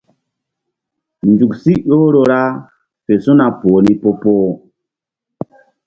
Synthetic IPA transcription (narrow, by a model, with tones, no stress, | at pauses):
nd͡ʒu˨ksi˦ɗoː˦ɾo˨ɾa˦ | fe˨sũ˦na˨poː˨ni˦po˦poː˦